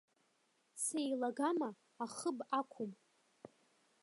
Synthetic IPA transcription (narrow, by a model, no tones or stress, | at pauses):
sejlaɡamaː | χəbakʷʰʊm